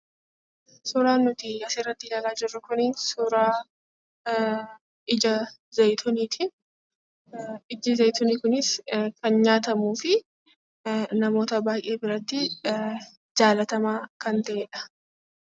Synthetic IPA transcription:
sʊːɾaːnʊt̪ɪɐsɪrːɐt̪ːɪlaːlaːd͡ʒɪrːʊkʊniːnsʊɾaː | ɪd͡ʒɐzɐjt̪ʰɔniːt̪ʰɪ | ɪd͡ʒɪzɐjt̪ɔniːkʊnɪskɐnɲaːt̪ɐmuːfɪ | nɐmo̞ːt̪ɐbaːjʔe̞ːbɪɾɐt̪ːɪ | d͡ʒaːlɐt̪ɐmaːkɐnt̪ɐʔeːᶑɐ̥

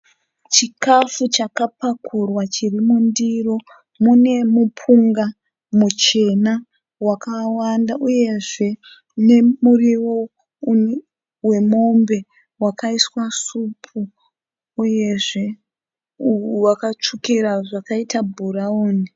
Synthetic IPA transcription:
t͡ʃikafut͡ʃakapakʰurwat͡ʃirimundiro̞ | mune̞mupʰuŋɡa | mut͡ʃe̞na | wakawandaʔuje̞ʐe̞ | ne̞muriwo̞ | we̞mo̞mbe̞ | wakaiswasupʰuː | je̞ʐe̞ | wakat͡ʂukiɾaʐakaitabʱuɾaoːni

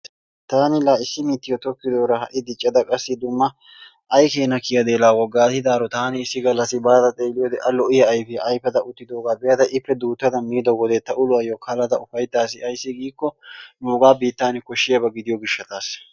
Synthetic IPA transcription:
t̪aːnɪlaːɪsːɪmiːt̪ːɪjɔt̪ɔkːɪd̪oːɾɐhɐʔɪd̪ɪt͡ʃʼːɐd̪ɐkʼɐsːɪd̪ʊmːɐ | ʔɐjkeːnɐkɪjɐd̪eːlaːwɔɡːaːt̪ɪd̪aːɾɔt̪aːnɪɪsːɪɡɐlːɐsɪbaːt̪ɐt̪ʼe̞ːlɪjɔd̪ɛʔɐlɔʔɪjɐːjfɪɐʔɐjfɛt̪ɐʊt̪ːɪd̪o̞ːɡaːbɛjɐt̪ɐʔɪpːɛd̪uːt̪ːɐt̪ɐmiːd̪ɔɡɔd̪ɛt̪ːɐʔʊlʊɐjɔkʰɐlɐt̪ɐʊfɐjt̪ːaːs̬ɪɐjsːɪɡiːkːɔnuːɡaːbiːt̪ːaːnɪkɔʃːɪjɐbɐɡɪd̪ɪjɔɡɪʃːɐt̪aːs

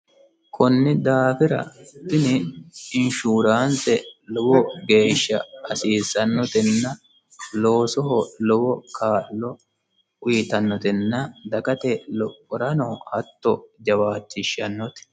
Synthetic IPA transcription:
kʰɔnːɪd̪aːfɪɾɐ̰t̪ːɪnɪɪnʃuːɾaːnt̪ɛlɔwɔɡe̞ːʃːɐ̰ːsiːsɐnːɔt̪ɛnːɐ | loːsɔɦɔlɔwɔkʰaːlːɔ | ʊjɪt̪ɐnːɔt̪ɛnːɐd̪ɐkɐt̪ɛlɔkʼːɔɾɐnɔhɐt̪ːɔd͡ʒɐwaːtːɪʃːɐnːɔt̪ɛ̥

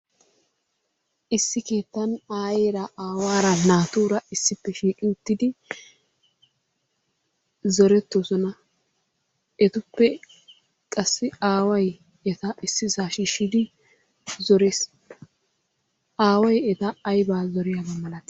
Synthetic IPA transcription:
ʔɪsːɪke̞ːt̪ːɐnaːjeːɾɐʔaːwaːɾɐnaːt̪uːɾɐɪsːɪpːɛʃiːkʼɪʊt̪ːɪd̪ɪ | zɔɾɛt̪ːosɔnɐ | ɛt̪ʊpːɛ | kʼɐsːɪaːwɐj | ɛt̪ɐɪsːɪzaːʃiʃɪd̪ɪ | zɔɾeːs | ʔaːwɐjɛt̪ɐːjbaːzɔɾɪjaɡɐmɐlɐt̪

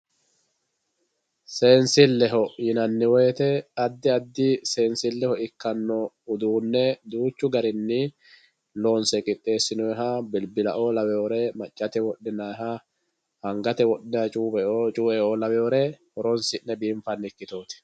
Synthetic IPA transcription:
se̞ːnsɪlːɛɦɔjɪnɐnːɪwɔːt̪ɛɐd̪ːɪɐd̪ːɪse̞ːnsɪlːɛhɔɪkːɐnːɔ | ʊd̪uːnːɛd̪uːt͡ʃːʊɡɐɾɪnːɪ | loːnsɛkʼɪt̪ʼːe̞ːsːɪnɔɦaːbɪlbɪlɐʔoːlɐwɛjoːɾɛmɐt͡ʃʼːɐt̪ɛwɔɗːɪnaɦa | hɐŋɡɐt̪ɛwɔɗːɛɐt͡ʃʼuːbɛot͡ʃʼuːɛʔoːlɐwɛjoːɾɛhɔɾɔnsɪnːɛbiːmfɐnːɪkːɪt̪oːt̪ɪ̥

